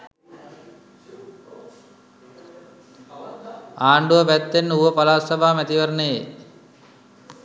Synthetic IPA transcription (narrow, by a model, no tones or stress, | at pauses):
aːɳɖuʋəpæt̪ːenːəuʋəpalaːsɐbʱaːmæt̪iʋəɾənee